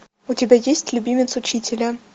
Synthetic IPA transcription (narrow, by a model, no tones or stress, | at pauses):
utʲɪbʲajesʲtʲlʲubʲimʲɪt̪sut͡ɕitʲɪlʲɘ